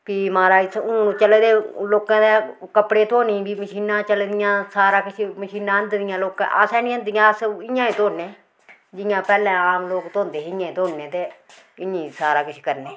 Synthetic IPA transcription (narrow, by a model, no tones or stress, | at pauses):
piːmaːɾaːisʰuːnũːt͡ʃəleːd̪eːloːkãːd̪eːkəpɽeːt̪ʰoːnĩːbiːməʃiːnãːt͡ʃəleːd̪ɪjãːsaːɾaːkɪʃʰeməʃiːnãːənd̪d̪ɪjãːloːkã̰ːʔəsɛːnĩːə̃nd̪ɪjãːəsɪjãːĩːt̪oːnẽː | d͡ʒɪjãːpɛːlɛ̃ːaːmloːkt̪oːnd̪eːɪjãːĩːt̪ʰoːnẽːt̪eː | ɪĩːsaːɾaːkɪʃʰe̥ːkəɾneː